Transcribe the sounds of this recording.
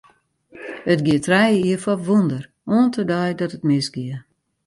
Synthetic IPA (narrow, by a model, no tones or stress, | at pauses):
ətɡiətrɛjəiəfɔʋundər | oəntʰədɔjdɔtətmɪsɡiə